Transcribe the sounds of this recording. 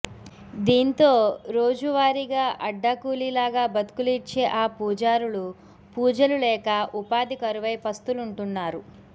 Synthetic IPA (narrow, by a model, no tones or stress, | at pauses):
d̪iːnt̪o̞ːɾo̞ːd͡ʒuʋaːɾiɡaːʔɐɖːɐkuːlilaːɡaːbɐt̪u̥kulit͡ʃːeːʔaːpuːd͡ʒaːɾuɭu | puːd͡ʒɐlulɛːkɐʔupaːd̪ikɐɾuʋɐjpɐst̪uluɳʈunːaːɾu